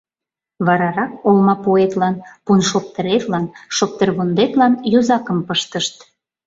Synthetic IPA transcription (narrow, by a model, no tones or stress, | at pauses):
βɑɾɑɾɑk̚olmɑpoet̪lɑnpunʃop̚t̪ə̆ɾet̪lɑnʃop̚t̪ərβond̪et̪lɑnjuzɑkə̆mpəʃt̪əʃt̪